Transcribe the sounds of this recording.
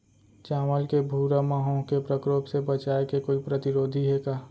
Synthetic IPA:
t͡ʃaːməlkebʱuːɾamaːɦõkepɾəkɾoːbsebət͡ʃaːekekoːipɾət̪ɪɾoːd̪ʱiɦekaː

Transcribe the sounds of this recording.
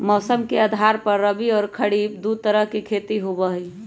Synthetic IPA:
mɔːsəmkeəd̪ʱaɾpəɾːəbiɔːɾkʰəɽibd̪ut̪əɾəɦkekʰet̪iɦobəɦi

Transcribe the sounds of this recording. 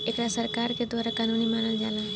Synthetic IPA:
ekɾasəɾkaɾked̪ʋaːɾakanunimanəld͡ʒaːla

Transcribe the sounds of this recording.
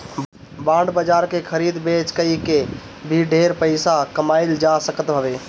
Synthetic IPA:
bãɳɖbəd͡ʒaːɾkekʰəɾiːd̪bet͡ʃkəike | bʱiɖʱeɾpəɪsakəmaɪld͡ʒasəkət̪bʱəbeː

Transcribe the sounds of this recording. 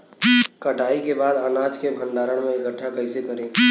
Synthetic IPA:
kəʈaːikebaːd̪ənaːd͡ʒkebʱənɖaːɾəɽ̃mẽɪkəʈʰːakəɪsekəɾẽː

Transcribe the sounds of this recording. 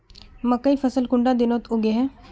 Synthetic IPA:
mɐkːəifɐsəlkʊɳɖad̪ɪnoːt̪ʊɡeɦɛ̃ː

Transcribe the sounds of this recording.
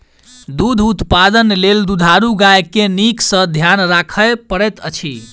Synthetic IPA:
d̪ud̪ʱut̪pad̪ənleld̪ud̪ʱaɾuɡajkeniksə̃d̪ʱjanɾakʰəjpəɽɛt̪ət͡ʃʰi

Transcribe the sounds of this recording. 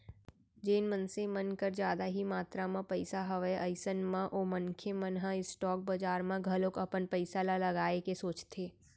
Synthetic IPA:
d͡ʒeːnmə̃nsemənkəɾd͡ʒjaːd̪aɦimaːt̪ɾamãpɐɪsaɦəʋəʔəɪsənmãʔoːmɐnkʰemənɦãɪsʈɔːk̚bɐd͡ʒaːɾmãɡʱɐlokɐpənpəɪsalalɐɡaːekesoːt͡ʃt̪ʰeː

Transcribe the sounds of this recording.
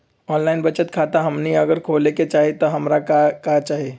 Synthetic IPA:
ɔːnlaɪnbət͡ʃət̪kʰat̪aɦəmniəɡəɾkʰoleket͡ʃaːɦet̪ɔɦəmɾakakat͡ʃaːɦe

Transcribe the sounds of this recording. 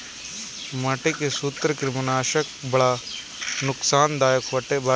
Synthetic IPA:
məʈekesuːt̪ɾkɪɾɪmənaːʃək̚bɐɽa | nʊksaːnd̪aːjəkʰʋɐʈeba

